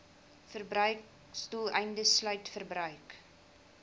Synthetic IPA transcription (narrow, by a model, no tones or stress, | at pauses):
fərbrœɥk | stulˠɛjndəslœɥtfərbrœɥk